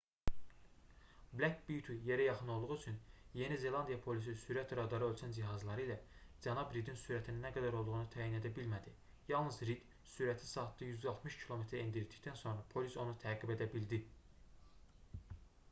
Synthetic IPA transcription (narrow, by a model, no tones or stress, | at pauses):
blækbit̪ʰuje̞ɾæjɑχɯnolˠd̪uʁyt͡ʃʰynje̞nize̞lˠɑnd̪ijɑpʰo̞lis̬isyɾæt̪ɾɑd̪ɑɾɯølʲt͡ʃʰænd͡ʒiɦɑzlˠɑɾɯilæd͡ʒænɑbɾid̪insyɾæt̪ʰininæɡæd̪æɾolˠd̪uʁunut̪ʰæːjine̞d̪æbilmæd̪i | jɑlˠnɯzɾid̪ | syɾæt̪ʰi̥sɑt̪ːɯjyzd̪ɑlˠt̪ʰmɯʃcʰilˠo̞met̪ʰɾend̪iɾit̪ʰi̥ct̪ænso̞nɾɑpʰo̞liso̞nut̪ʰæːɡibe̞d̪æbild̪i